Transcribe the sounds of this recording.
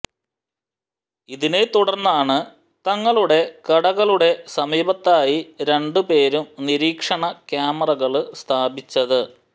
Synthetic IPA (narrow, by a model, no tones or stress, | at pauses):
iðine̞t̪uɽɐrnːaːɳɨ | t̪ɐŋːɐɭuɽe̞kɐɽɐɣɐɭuɽe̞sɐmiːbɐt̪ːaːjiɾe̞ɳɖɨpe̞ːɾumniɾiːkʂɐɳɐkjaːmɐrɐɣɐɭst̪ʰaːbit͡ɕːɐðɨ